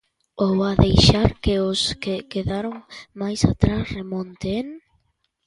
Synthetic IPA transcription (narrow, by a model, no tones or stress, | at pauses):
owaðejʃaɾkeoskekeðaɾoŋmajsa̰t̪ɾasremõnt̪een